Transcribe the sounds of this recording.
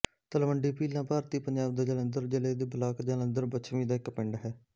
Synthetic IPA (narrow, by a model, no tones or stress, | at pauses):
t̪əlməɳɖiːpiːlãːpaːɾt̪iːpəɲd͡ʒaːb̚d̪aːd͡ʒələnd̪əɾd͡ʒɪleːd̪iːbʱəlaːkd͡ʒələnd̪əɾbət͡ʃʰmĩːd̪aːɪkpɪɳɖɦɛː